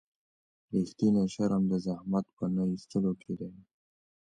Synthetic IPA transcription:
ɾixt̪ineʃaɾamd̪əzahmat̪̚pənaist̪əlokʰed̪aj

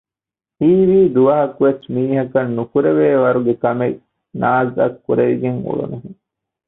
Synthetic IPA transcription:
hiːʋiːd̪uʋɐɦɐkuʋesmiːɦɐkɐnːukuɾeʋeːʋɐɾuɡekɐmek | naːzɐkːuɾeɾiɡeŋṵɭṵnuɦi

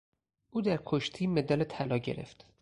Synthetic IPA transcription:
ʔuːd̪æɾkʰoʃt̪ʰiːme̞d̪ɒːlet̪ʰælɒːɟe̞̰ɾe̞̰ft̪

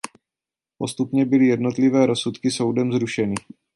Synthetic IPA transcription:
po̞st̪upɲɛbɪlɪjɛdno̞t̪lɪvɛːɾo̞sut̪kɪso̞wdɛmzɾuʃɛnɪ

